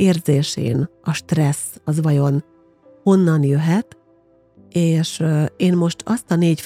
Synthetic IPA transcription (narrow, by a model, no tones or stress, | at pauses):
eːrzeːʃḛːnɒʃt̪rɛsɒzʋɒjo̞n | ho̞nːɒnjøɦɛt̪ | eːʃeːnmo̞ʃt̪ʰɒst̪ɒneːɟf